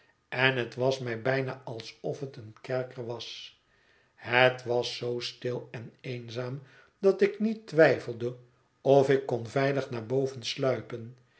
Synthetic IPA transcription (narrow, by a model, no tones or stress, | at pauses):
ɛnɦətʋɑsmɛjbɛjnaːɑlˠsɔfɦətənkɛɹkərʋɑs | hətʋɑsowstɪlˠɛnejnzaːm | d̪ɑtɪknitʋɛjfəlˠdə | ɔfɪkːɔnvɛjləχnaːɹbowvənslœɥpən